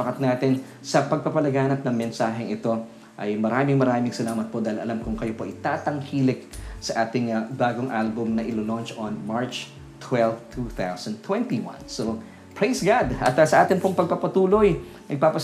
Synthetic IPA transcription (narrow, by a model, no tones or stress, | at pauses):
ɐkɐt̪̚naːt̪ɪn | sɐpɐɡ̚pɐpɐlɐɡaːnɐp̚nɐŋmɛnsaːɦɛŋʔɪt̪o̞ | ʔɐjmɐɾaːmɪŋmɐɾaːmɪŋsɐlaːmɐt̪̚pod̪aɪlʔɐ̰lamkʊŋkɐjopoʔɪt̪aːt̪ɐŋhiːlɪk̚sɐʔaːt̪ɪŋbaːɡoŋʔalbʊmnɐʔɪlolont͡ʃonmaɹt͡ʃ | t̪ʰwɛlft̪ʰuːθawsɐnd̪̚t̪wɛnt̪iwɐ̰̃nso | pɹejsɡad̪ʔɐ̰t̪sɐʔaːt̪ɪnpoŋpɐɡ̚pɐpɐt̪uːlo̞j | nɐɡ̚papɐ